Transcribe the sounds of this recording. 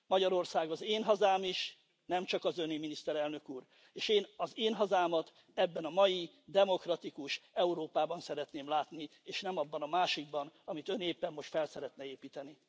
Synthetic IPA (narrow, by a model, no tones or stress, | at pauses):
mɒɟɒɾo̞rsaːɡɒzeːnɦɒzaːmiʃ | nɛmt͡ʃɒkɒzøniminist̪ɛɾɛlnø̞kuːr | eːʃeːnɒzeːnɦɒzaːmɒt̪ | ɛbːɛnɒmɒji | d̪ɛmo̞krɒt̪ikuʃɛuɾoːpaːbɒnsɛɾɛt̪neːmlaːt̪nieːʃnɛmɒbːɒnɒmaːʃiɡ̚bɒnɒmit̪ø̞neːpːɛmːo̞ʃt̪fɛlsɛɾɛt̪nɛeːpiːt̪ɛni